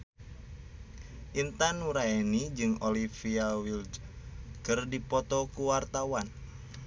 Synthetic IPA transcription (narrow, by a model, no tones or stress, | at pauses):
ʔint̪anuɾaenid͡ʒɨŋolifiawild͡ʒkɨrdipɔt̪ɔkuwart̪awan